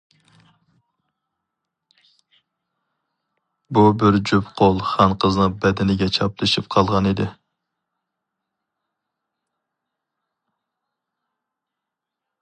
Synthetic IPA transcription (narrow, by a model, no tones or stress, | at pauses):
bubɪɾd͡ʒypqʰolˠχɑnqʰəznɨbɛd̪ɪnɪɡʲɛt͡ʃʰɑplˠɨʃip̚qʰɑlˠʁɑnid̪ɪ